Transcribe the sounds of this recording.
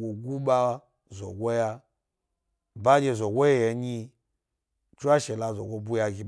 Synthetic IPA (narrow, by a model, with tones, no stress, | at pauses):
ɡo˨ɡu˦ɓa˦ | zɔ̰˨ɡʷo˦ja˦ | ba˦d͡ʒe˨zɔ˨ɡo˦jɛ˦˨jɛ˨ɲi˦ | t͡ʃu˦a˦ʃɛ˨la˨zɔ̰˨ɡo˦bu˦ja˨ɡi˨